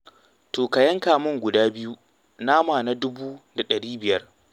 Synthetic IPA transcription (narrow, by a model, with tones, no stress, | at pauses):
toː˨ka˨jɐ˦ŋkaː˨mʊ˦ŋɡʷʊ˨daː˦bɪ˦ju˦ | naː˦maː˨na˦dʊ˦buː˦da˨ɗɐ˨ɽiː˦bɪ˨jɐ˦r